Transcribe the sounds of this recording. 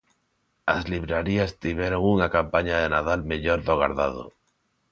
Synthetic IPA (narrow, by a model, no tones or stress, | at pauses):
azliβɾaɾiast̪iβjeɾoŋunakampaɲaðenaðalmeʎoɾðoɣa̰ɾðað̞o̰